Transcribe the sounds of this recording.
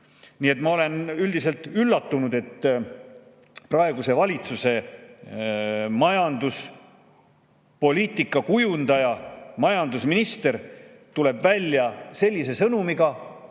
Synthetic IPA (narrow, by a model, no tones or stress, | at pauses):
niːe̞t̪ˑmɑo̞le̞nyld̪̥ise̞lt̪ˑylːɑt̪ːunud̪̥e̞t̪ː | prɑe̞ɡ̥use̞vɑlʲit̪suse̞ | mɑjɑnd̪us | po̞lʲiːt̪ˑikːˑɑkujund̪̥ɑjɑmɑjɑnd̪usminist̪e̞ɾ | t̪ule̞bvælʲːjɑse̞lʲːise̞sɤnumiɡɑ